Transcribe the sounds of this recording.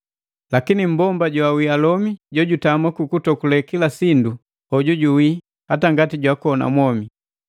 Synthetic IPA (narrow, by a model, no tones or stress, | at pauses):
lakinim̩bɔmbaɟwawialɔmiɟɔɟutamakukutɔkulɛkilasindu | hɔɟuɟuwi | hataŋɡatiɟwakɔna̰mwɔmi